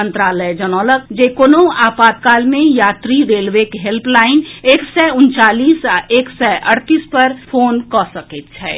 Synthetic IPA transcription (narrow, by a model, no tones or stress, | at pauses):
ə̃nt̪ɾaːləd͡ʒənɔːləkd͡ʒekoːnõaːpaːt̪̚kaːlmẽjaːt̪ɾiɾeːlʋeːkɦelplaːɪneːksɛʊnt͡ʃaːliːseːksɛʔəɾt̪iːspəɾpʰoːnkɔsəket̪t͡ʃʰɛ̰ː